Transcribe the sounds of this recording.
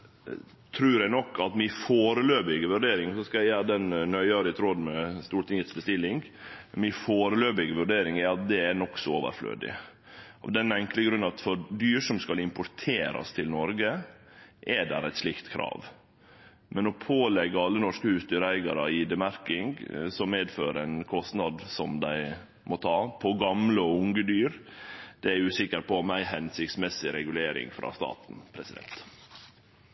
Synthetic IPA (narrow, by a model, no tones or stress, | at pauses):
t̪ʰɾʉːɾænɔkːɑt̪mɪfoːɾəløːbɪɡəʋʉɖeːɾɪŋsɔskɑæjæːɾd̪ɛnnœʏɑɾɪt̪ʰɾɔd̪mɛst̪uːʈ̪ɪŋət̪sbəst̪ɪlːɪŋɡ | mɪfoːɾəløːbɪɡəʋʉɖeːɾɪŋɛɑt̪̚d̪ɛænɔkːsɔoːʋə̰ɾflø̰ːd̪ɪ̰ | ɑ̰d̪ɛnɛŋkləɡɾʉnːɑt̪fɔɾd̪yːʂɔmskɑlɪmpʊɾt̪ʰeːɾɑ̰st̪ʰɪlnɔɾɡə | ʔɛd̪æ̰ɾæɪt̪slɪkt̪kʰɾɑ̰ːʋ | mɛnɔpʰoːlɛɡːəɑlːənɔʂkəhʉːsd̪yːɾəæɪɡɑɾəiːd̪ɛmæɾkɪŋɡsɔmmeːd̪føːɾæɪnkʰɔst̪nɑd̪sɔmd̪æɪ | mɔt̪ʰɑːpʰɔɡɑmləʊŋɡəd̪yːɾd̪̥ɛæɾʉːsɪkːəɾpʰɔmæɪɦɛnsɪkt̪smɛsɪɾɛɡʉleːɾɪ̰ŋfɾɑ̰ːst̪ɑ̰ːt̪n̩pʰɾɛsɪd̪ɛ̰nt̪